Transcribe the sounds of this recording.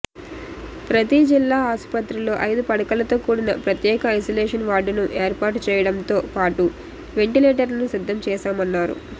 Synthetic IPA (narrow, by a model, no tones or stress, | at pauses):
pɾɐt̪id͡ʒilːaːaːspɐt̪ɾilo̞ːʔɐjd̪upɐɽɐkɐlɐt̪o̞ːkuːɽinɐpɾɐt̪jɛːkɐɐjsoːleːʂɐnʋaːɖunuʔeːɾpaːɾʈut͡ʃɛːjɐɽɐmt̪o̞ːpaːʈu | ʋe̞ɳʈileːʈ̬ɐɾlɐnusid̪ʱːɐmt͡ʃɛːsaːmɐnːaːɾṵ